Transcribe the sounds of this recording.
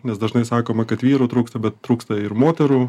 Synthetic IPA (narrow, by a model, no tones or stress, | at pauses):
nʲɛsd̪ɐʒnɐɪsɑːkoːmɐkɐt̪ʋʲiːɾuːt̪ɾuːkst̪ɐbʲɛt̪t̪ːɾuːkst̪ɐɪɾmoːt̪ʲɛɾuː